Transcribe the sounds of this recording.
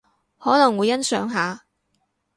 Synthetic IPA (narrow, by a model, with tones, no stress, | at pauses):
hɔː˨˥lɐ˨˩ŋwu˨˧jɐ˥nsœː˨˥ŋɦaː˨˧